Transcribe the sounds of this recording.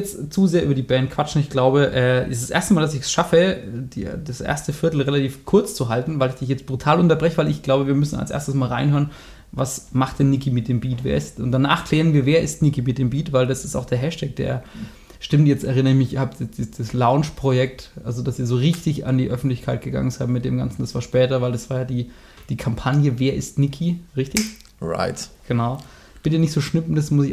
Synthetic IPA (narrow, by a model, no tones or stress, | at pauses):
jɛt͡stt͡suzeːɐʔyːbɐdiːbɛnt̚kʰv̥at͡ʃn̩ɪçɡ̥laʊbəʔɛːɪ̰sd̥asʔḛɐstəmaːldas̬ɪçsʃafədḭdasʔḛɐstəfɪɐtl̩ʁelatʰiːfkʰʊɐt͡st͡suɦaltn̩vaɪlɪçd̥ɪçjɛt͡stb̥ʁutʰaːlʊntɐbʁɛçəvaɪlɪçɡ̥laʊbəviːɐmʏsn̩a̰lsʔḛːɐstəsmaːlʁa̰ɪnɦøːɐən | vasmaχt̚d̥ɛnːɪkimɪt̚d̥eːmbiːtv̥eːɐɪstʊnt̚d̥ana̰ːχkl̥ɛːʁ̞ənviːɐveːɐʔɪstnɪkimɪt̚d̥eːmbiːtvaɪldasɪ̥sta̰ʊxd̥eːɐɦɛʃtʰɛk̚d̥ḛːɐ | ʃtɪmtjɛt͡stɛʁɪnəɪçmɪçhapdɛd̥id̥islaʊnt͡ʃpʁ̥ojɛk̚tʔalzodasiːɐzoːʁɪçtɪça̰ndiːʔœfn̩tlɪçkʰaɪt̚ɡ̥əɡa̰ŋənzaɪtmɪt̚d̥eːmɡa̰nt͡sn̩d̥asv̥aːɐʃpɛːtɐvaɪldasv̥aːɐjaːdiː | d̥iːkʰampʰanjəveːɐʔɪ̰stnɪkʰiʁɪçtɪç | ʁa̰ɪtɡ̥ənaʊ | b̥ɪtənɪçtz̥oːʃnʏpn̩d̥asmʊsɪç